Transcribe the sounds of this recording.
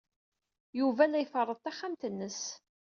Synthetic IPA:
juvælːæjfərˤːəðˤt̪æχːamt̪ənːəs

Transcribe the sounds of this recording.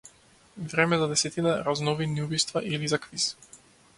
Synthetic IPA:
vɾɛmɛzad̪ɛsɛt̪inaɾaznɔviniubist̪vaʔilizakvis

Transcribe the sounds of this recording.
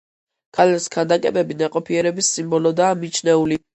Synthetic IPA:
kʰalɛskʰand̪akʼɛ̰bɛbinaqʼɔpʰiɛɾɛbisːimbɔlɔd̪aːmit͡ʃʰnɛuli

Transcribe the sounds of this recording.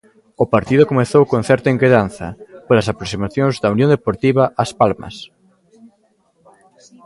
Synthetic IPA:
ʊpaɾt̪iðʊkomeθowkõŋθɛɾt̪ɐeŋkeðanθɐ̰polasapɾoksimaθjõŋzðɐunjõnd̪epoɾt̪iβ̞aʔaspalmɐ̰s

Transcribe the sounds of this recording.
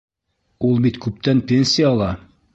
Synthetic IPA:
ulˠbit̪kʉp̚t̪ænpʲenʲsʲɪjaɑlˠɑ

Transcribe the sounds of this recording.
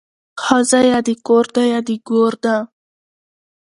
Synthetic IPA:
xɑzajad̪ikoɾd̪ajad̪iɡoɾd̪a

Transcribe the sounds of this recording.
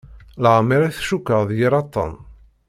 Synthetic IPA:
ləʁmiɾiθʃukːəðˤjiɾɑt̪ˤːɑ̰n

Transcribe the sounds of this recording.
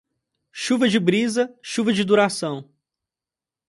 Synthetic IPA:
ʃuvɐd͡ʒɪbɾizɐʃuvɐd͡ʒɪd̪uɾasɐ̃w̃

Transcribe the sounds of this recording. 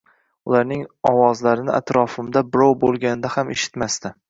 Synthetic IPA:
ʊlaɾnɪŋɒwɒzlaɾɪnɪ̰ʔa̰t̪ɾɒfɪmd̪abɪɾɒwbolˠɡʲanɪd̪ahameʃɪ̥t̪mast̪ɪ

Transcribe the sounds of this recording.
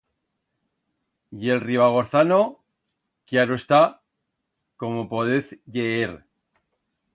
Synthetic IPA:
je̞lriβaɣ̞o̞ɾθano̞ | kjaɾoest̪a | ko̞mopo̞ðeθʝeeɾ

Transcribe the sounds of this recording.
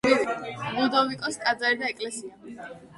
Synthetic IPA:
bud̪ɔvikʼɔsk̪ʼad̪zaɾɛd̪aɛkʼlɛsia

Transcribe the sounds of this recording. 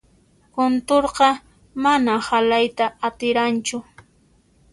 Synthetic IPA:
kʊnt̪oɾqɑ | manahalajt̪aːt̪ɪɾant͡ʃʊ

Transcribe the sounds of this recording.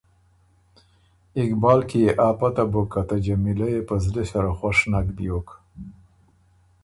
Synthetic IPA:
ɪkbɑlkijeʔɑpat̪abokat̪ad͡ʒamilajepəzlesaɾaxwaʂnakd̪jok

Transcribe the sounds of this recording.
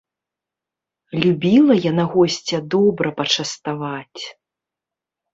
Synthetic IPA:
lʲubʲilˠɐjanaɣɔsʲt͡sʲɐd̪ɔbɾɐpɐt͡ʂɐst̪avat͡sʲ

